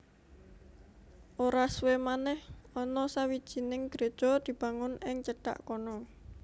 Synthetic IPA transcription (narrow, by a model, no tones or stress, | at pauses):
ʔoɾaswemanɛhɔnɔsawid̥ʒ̥i̤nɪŋɡ̥ɾe̤d̥ʒ̥ɔ̤d̪̥i̤b̥a̤ŋʊnɪŋt͡ʃəɖ̥a̰ʔkɔnɔ